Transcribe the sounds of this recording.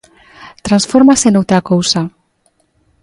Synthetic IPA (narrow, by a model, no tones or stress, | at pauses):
t̪ɾansfoɾmasenowt̪ɾakowsa